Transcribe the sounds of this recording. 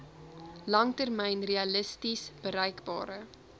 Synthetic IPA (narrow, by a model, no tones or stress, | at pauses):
lɐŋtərmɛjnreɐləstisb̥əɾɛjkbɑ̰ːɾə